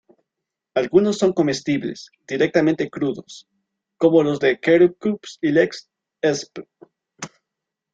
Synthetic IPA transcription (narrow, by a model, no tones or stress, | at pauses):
alɣuno̞sːo̞ŋko̞me̞st̪iβlḛsd̪̥iɾe̞k̚t̪amẽnt̪e̞kɾuðo̞̰s | ko̞mo̞lo̞zðe̞keɾukupsileks | esp